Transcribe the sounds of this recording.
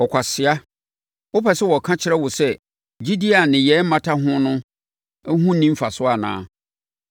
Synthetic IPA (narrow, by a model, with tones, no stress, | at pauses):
ɔ˨kʷʰa˨sɪ˨a˦ | ʊ˦pɛ˨sɛ˦wɔ˨kʰã˦t͡ɕʰɪ˦ɾɛ˦wʊ˨sɛ˦ | d͡ʑi˦di˦a˨nɪ̃˨jɛ˨˦m̩˦mã˦tʰa˦ɦʊ̃˦nʊ̃˦ | ɦũ˦nĩ˦m˦fa˨sʊ˦a˨nã̰ː˦